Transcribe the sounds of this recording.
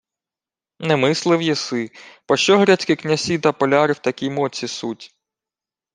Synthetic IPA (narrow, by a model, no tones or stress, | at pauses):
nɛmɪslˠɪwjɛsɪpɔʃt͡ʃɔɦɾʲat͡sʲkɪknʲɐsʲit̪ɐpɔlʲɑɾɪwt̪ɐkʲimɔt͡sʲisutʲ